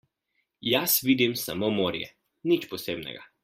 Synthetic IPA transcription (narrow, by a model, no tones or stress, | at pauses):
jasʋiːd̪imsa̰momoːɾjɛ̰ | nit͡ʃpɔseːbnɛ̰ɡa